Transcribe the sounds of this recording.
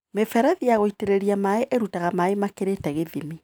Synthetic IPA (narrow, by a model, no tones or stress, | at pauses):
mefɛɾaðijaɣoiteɾeɾiamaeʔeɾutaɣamaemakeɾetɛɣeðimi